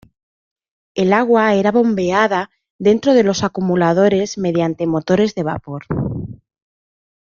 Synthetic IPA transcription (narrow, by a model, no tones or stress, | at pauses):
e̞laɣwae̞ɾaβo̞mbe̞aða | ðe̞nt̪ɾo̞ð̞e̞lo̞sakumulað̞o̞ɾe̞zme̞ð̞jant̪e̞mo̞t̪o̞ɾe̞zðe̞β̞a̰po̞ɾ